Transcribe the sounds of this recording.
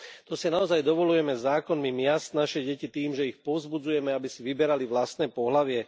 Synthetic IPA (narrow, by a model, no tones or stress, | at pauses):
t̪ɔsinaɔzajd̪ɔʋɔlujɛmɛzaːkɔnmimɪast̪̚naʃɛɟɛcit̪iːmʒɛixpɔzbud͡zujɛmɛabisiʋibɛɾaliʋlast̪nɛːpɔɦlaʋɪɛ